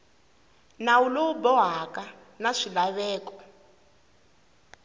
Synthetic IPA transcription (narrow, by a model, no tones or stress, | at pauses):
nauloubɔɦaka | naʂilaβɛːkɔ̥